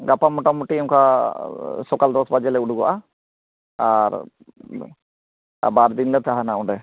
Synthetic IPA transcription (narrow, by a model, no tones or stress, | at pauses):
ɡapamɔʈamuʈiɛmka | sɔkald̪ɔsbad͡ʒɛlɛuɽuɡɔ̰ʔa | aɾ | baɾd̪inlɛt̪ʰaɦanaɔɖɛ